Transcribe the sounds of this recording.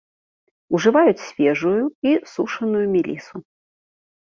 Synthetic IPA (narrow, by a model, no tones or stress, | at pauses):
uʐɨvajut͡sʲsʲfʲɛʐujuisuʂɐnujumʲilʲisu